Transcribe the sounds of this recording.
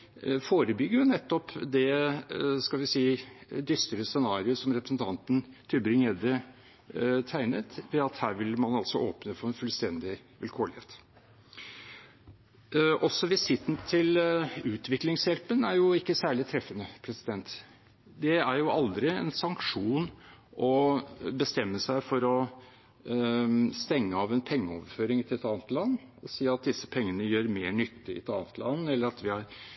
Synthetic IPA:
foːɾəbʏɡːəɾjʊnɛt̪ːɔpd̪ɛ | skɑlʋɪsiːd̪ʏst̪əɾəsɛnɑːɾɪəsɔmɾɛpɾəsən̩t̪ʰɑnt̪n̩t̪ʰɪbɾɪŋeːd̪ə | t̪ʰæɪnət̪ʋɛɑt̪hæːɾʋɪlmɑnɑlsɔʔoːpnəfɔɾɛnfʉlst̪ɛnd̪ɪʋɪlkʰoːlɪheːt̪ | ʔɔsːɔʋɪsɪt̪nət̪ʰɪlʉːt̪ʰʋɪklɪŋsjɛlpənæɾjʊɪkːəsæːɭɪt̪ʰɾɛfːənəpʰɾɛsɪd̪ɛnt̪ | d̪ɛæɾjʊʔɑld̪ɾɪɛ̰nsɑŋkʂuːnʔɔbəst̪ɛmːəsæɪfɔɾɔ | st̪ɛŋːəɑʋɛnpʰɛŋːəo̰ːʋføːɾɪŋt̪ʰɪlɛt̪ɑːnət̪lɑnːɔsiːɑt̪̚d̪ɪsːə̥pʰɛŋːənəjøːɾmeːɳʏt̪ʰːɪɪ̰t̪ɑːnət̪lʔɑnːɛlːəɾɑt̪ʋɪhɑɾ

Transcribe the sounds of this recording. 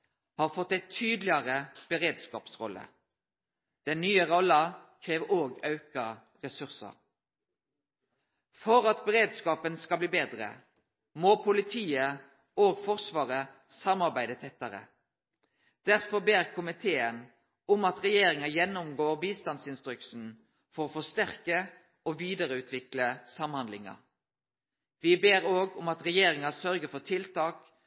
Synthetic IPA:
hɑːʁfɔt̪ːæɪt̪ʰyːd̪lɪɑʁəb̥əʁeːd̪skɑ̰ːpsʁɔ̰lːə̰ | d̪̥ɛnnːyːəʁɔlɑkʰʁeːʋoːɡɑʉkɑ | ʁɛsʉʁsə̰ʁ | fɔɾɑt̪̚bəʁeːd̪skɑːpənskɑbliːbeːd̪ʁə̰ | moːpʰʊlɪt̪ʰiːə | oːɡfɔʁsʋɑːʁə | sɑmɑʁbæɪd̪ət̪ʰɛt̪ːəɾə̰ | d̪̥æʁfɔʁbeːʁkʰʊmɪt̪ʰeːən | ʊmɑt̪ʁɛjeːɾɪŋɑjɛnːʊmɡoːʁbiːst̪ɑnd̪sɪnst̪ɾʏksn̩ | fɔʁoːfɔst̪æʁkə | oʋiːd̪əʁəʉːt̪ʰʋɪkləsɑmhɑnd̪lɪŋɑ̰ | ʋɪbeːʁoːɡʊmɑt̪ʁɛjeːɾɪŋɑsœɾɡəfɔʁt̪ʰɪlt̪ʰɑːk

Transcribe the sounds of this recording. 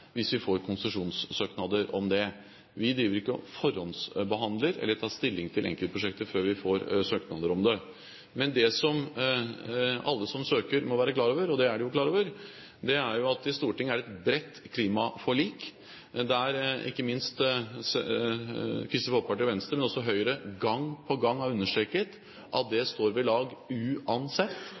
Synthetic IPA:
ʋɪsʋɪfoːɾkʰʊnsəʂuːnsːøːknɑd̪əɾɔmd̪ɛ | ʋɪd̪ɾiːʋəɾɪkːəɔ̰fɔɾhɔnsbəɦɑnd̪ləɾɛ̰lːəɾʈʰɑːst̪ɪlːɪŋt̪ʰɪlʔɛ̰ŋkəlt̪əpɾʊʂɛk̚t̪əføːɾʋɪfoːɾsøːknɑd̪əɾɔmd̪ɛ | mɛnd̪ɛsɔm | ɑlːəsɔmsøːkəɾmɔʋæːɾəklɑːɾoːʋəɾɔd̪ɛæɖɛjʊklɑːɾoːʋəɾ | d̪ɛæɾjʊɑt̪ɪst̪uːʈɪŋːəæɖɛt̪bɾɛt̪ːkʰliːmɑfɔɭiːk | d̪ɛæɾɪ̰kːəmɪnst̪s | kʰɾɪst̪ɪfɔpʰɑʈɔʋɛnst̪ɾəmɛnɔsːɔɦœʏɾəɡɑŋːpʰɔɡɑŋːæɾʉnːəʂʈ̪ɾɛkət̪ | ʔɑt̪̚d̪ɛst̪oːɾʋɛlɑːɡʉːɑnsɛt̪ː

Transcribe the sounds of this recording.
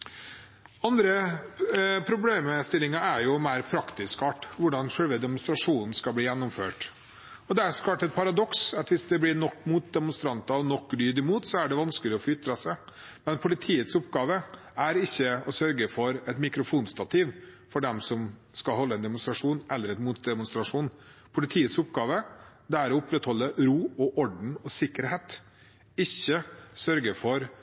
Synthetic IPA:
ɑnd̪ɾə | pʰɾʊbleːməst̪ɪlɪŋɑæɾjʊmæɪɾpʰɾɑkt̪ɪskɑːʈʋʊɖɑnʂɛlʋəd̪ɛmʊnst̪ɾɑʂuːnn̩skɑbliːjɛnːʊmføːʈ | ɔd̪ɛæɾsɔ̥kʰlɑːʈɛt̪̚pʰɑɾɑd̪ɔksɑt̪ʋɪsd̪ɛblɪnɔkːmuːt̪̚d̪ɛmʊnst̪ɾɑnt̪ɑɔnɔkːlyːd̪ɪmuːt̪sɔæɖɛʋɑnskəlɪɔfɔʏt̪ːɾɑsæɪ | mɛnpʰʊlɪt̪ʰiːət̪sɔpɡɑːʋə | æɾɪçːəɔsœɾɡəfɔɾɛt̪mɪkɾʊfuːnst̪ɑt̪ʰiʋ | fɔɖɛmsɔmskɑɦɔlːəɛnd̪ɛmʊnst̪ɾɑʂuːnʔɛlːəɾɛt̪muːt̪d̪ɛmʊnst̪ɾɑʂuːnpʰʊlɪt̪ʰiːət̪sʊpɡɑːʋəd̪ɛæɾɔʊpɾɛt̪hɔlːəɾuːɔʔɔɖɳ̩ɔsɪkːəɾheːt̪ | ɪçːəsœɾɡəfɔɾ

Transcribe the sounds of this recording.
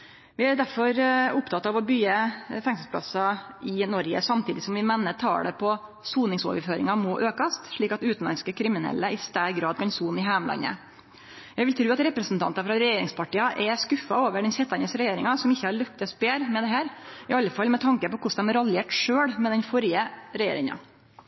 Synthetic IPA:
ʋɪæɾɖ̪æɾfɔɾʊpt̪ʰɑt̪ɑːʋɔbyəfɛŋsl̩spʰlɑ̰sɑɪnɔɾɡə̰sɑmt̪ʰiːd̪ɪsɔmʋɪmɛnːət̪ʰɑ̰ːɽɛpʰɔ | suːnɪŋso̰ːʋəɾføːɾɪ̰ŋɑmɔʔøːkɑst̪ʂɭiːkɑt̪ʉːt̪n̩lɑnskəkʰɾɪmɪnɛ̰lːəʔɪst̪æʈɡɾɑːd̪̚kɑnsuːnɪɦæmlɑ̰nːə̰ | jæʋɪlt̪ʰɾʉːɑt̪ɾɛpɾəsnt̪ʰɑ̰nt̪ɑfɾɑɾɛjeːɾɪŋspɑʈiːɑʔɛskʉfɑoːʋəɖɛnsɛt̪ːɑnəsɾɛjeːɾɪŋɑsɔmɪçːəhɑɭœkt̪ɛspeːɾmɛd̪ɛɦæːɾɪɑlːəfɑlmɛt̪ʰɑŋkəpɔkʰʊsd̪ɛmɾɑleːʈʂøːɽmɛd̪ɛnfɔɾjəɾɛjḛːɾɪŋɑ̰

